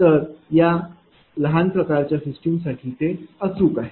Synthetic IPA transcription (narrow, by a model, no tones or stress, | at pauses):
t̪əɾja | ləɦanpɾəkaɾt͡ɕjasisʈimsaʈʰiːt̪eət͡suːkaɦe